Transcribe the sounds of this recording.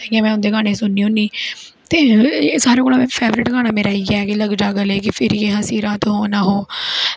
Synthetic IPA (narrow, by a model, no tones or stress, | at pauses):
ɛɡiãːmɛ̃ːʊnd̪eːɡaːɽ̃eːsʊnːiːõːniː | t̪eːsaːɾẽːkoːlãːẽːpʰɛːʋɾɪʈɡaːɽ̃aːmeːɾaːiːɡɛːkiləɡd͡ʒaːɡəleːk̬ɪpʰɪɾiːeɦãːsiːɾaːt̪ɦoːnaːɦoː